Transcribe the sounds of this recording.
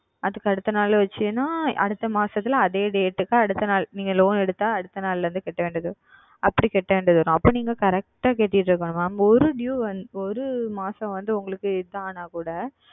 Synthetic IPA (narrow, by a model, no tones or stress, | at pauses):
ʔɐðɯkːɯɐɽɯt̪ːɐnaːlʋɐt͡ʃːɯnaːɐ̰ɽɯt̪ːɐmaːsɐt̪ːɪlɐðeːɖeːʈːɯkːaːɐɽɯt̪ːɐnaːlniːŋɡɐloːnɛɽɯt̪ːaːɐɽɯt̪ːɐnaːlʋɐnd̪ɯkɛʈːɐʋeːɳɖɐðɯ | ʔɐpːɐɽikɛʈːɐʋeːɳɖɐðɯʋɐɾʊ̃ɐpːɐːniːŋɡɐkɐɾɛk̚ʈaːkeːʈːɪjɪʈːɾɯkːɐɳɯ̃maːmɔɾɯɖjuːʋɐnd̪ɔɾɯmaːsɐ̃ʋɐnd̪ɯʊŋɡɐɭɯkːɯɪðɐaːnaːkuːɽɐ